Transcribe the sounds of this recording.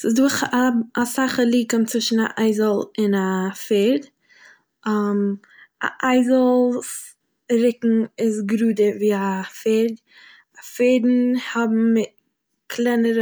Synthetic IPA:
sɪsdʊχaasaχəlˠiːkɔmt͡sɪʃn̩a̰ʔaɪzəlˠɪnafeːd | am | a̰ʔaɪzəlˠs | ɾɪkŋ̩ɪsɡɾuːdəɾviːafeːd | afeːdn̩hɔbm̩mɪt | kʰlˠɛnəɾ

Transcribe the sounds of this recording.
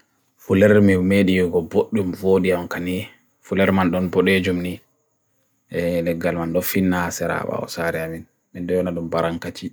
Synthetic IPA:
fulɛɾmimeɗijɡɔboɗːumvoːɗiamkani | fulɛɾmanɗɔnbɔɗed͡ʒumni | ʔɛlɛɡːalmanɗɔfinːasɛɾa̰ɓa̰ɔ̰saɾɛamin | mɛnɗɛjɔnaɗumbaɾaŋkat͡ʃi

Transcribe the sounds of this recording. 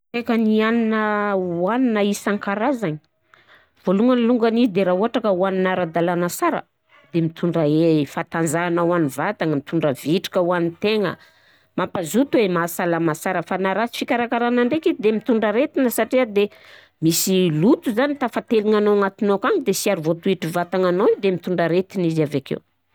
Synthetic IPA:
ekənianinəwaninəisaŋkaɾazaɲi̥ | v̥oluŋaniluŋɡanizid̪eɾauɦaʈ͡ʂakəuaninaɾad̪alanəsaɾə̰ | d̪̥emit̪ʰuɳɖ͡ʐaefat̪and͡zanawanivat̪aŋəmit̪uɳɖ͡ʐəviʈ͡ʂi̥kəuanint̪eŋə̰ | mampazut̪uemasalamasaɾəfanaɾat͡si̥fikaɾakaɾanaɳɖ͡ʐekid̪emit̪uɳɖ͡ʐəɾet̪inəsaʈ͡ʂiəd̪e | misilut̪uzanit̪afat̪eliŋanoaŋat̪inokaŋid̪esiaɾuvot̪uiʈ͡ʂivat̪aŋanoid̪emit̪uɳɖ͡ʐəɾet̪inizavakḛw

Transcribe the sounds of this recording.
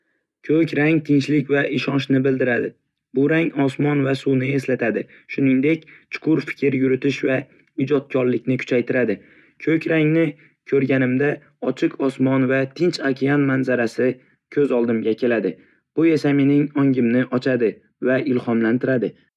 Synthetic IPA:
kʲʰɵkʲɾaŋt̪ʰɪnt͡ʃlɪkʲvaʔɪʃɒnʃnɪbɪld̪ɪɾad̪ɪ | bʊɾaŋɒsmɒnvasuwnɪe̞slat̪ʰad̪ɪ | ʃʊnɪŋd̪e̞kʲt͡ʃʰʊ̥qʰʊɾfɪ̥kʲʰɪɾjʊɾʊt̪ɪʃva | ɪd͡ʒɒt̪̚kʰʲɒɾlɪkʲnɪkʰʊ̥t͡ʃʰajt̪ʰɪɾad̪ɪ | kʲʰɵkʲɾaŋnɪ | kʲʰɵɾɡʲanɪmd̪a | ɒt͡ʃʰɪqʰɒsmɒnvat̪ʰɪnt͡ʃʰakʲʰijanmanzaɾasɪ | kʲʰɵzɒlˠd̪ɪmɡʲakʲʰe̞lad̪ɪ | b̥ʊe̞same̞nɪŋɒŋɡʲɪmnɪʔɒt͡ʃʰad̪ɪ | vaɪlhɒmlant̪ʰɪɾad̪ɪ

